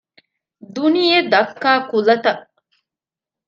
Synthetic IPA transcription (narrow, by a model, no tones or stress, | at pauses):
d̪unijed̪ɐkːaːkulɐt̪ɐʔ